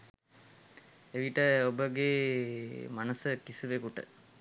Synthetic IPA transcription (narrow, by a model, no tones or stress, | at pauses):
eʋiʈəobəɡe | manəsəkisuʋekuʈə̰